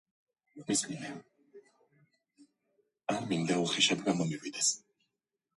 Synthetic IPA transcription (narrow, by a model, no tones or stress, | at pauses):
mismiɛ | amind̪auχiʃab̪ɡamɔmivid̪ɛs